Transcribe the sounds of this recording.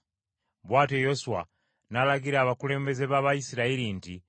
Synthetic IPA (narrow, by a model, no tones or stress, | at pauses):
βwaːtejosuwa̰ | nalaɡiɾaːβakule̞ːmbe̞ze̞βaβajisiɾaiɾinti